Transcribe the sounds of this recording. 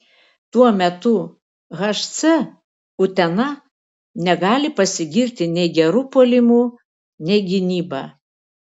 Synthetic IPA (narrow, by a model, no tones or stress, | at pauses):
t̪uɔmʲɛt̪ʊ | ɣɐʃt̪sɛ | ʊt̪ʲɛnɐ | nʲɛɡɑːlʲɪpɐsʲɪɡʲɪɾʲt̪ʲɪnʲɛɪɡʲɛɾupolʲɪmuː | nʲɛɪɡʲɪnʲiːbɑ̰ː